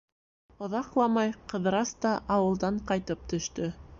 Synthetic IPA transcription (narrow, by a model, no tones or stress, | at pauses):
ŏðɑqlˠɑmɑjqɤ̆ðɾɑst̪ɑʔɑwɤ̆lˠd̪ɑɴqɑjt̪ɤp̚t̪ɵ̆ʃt̪ɵ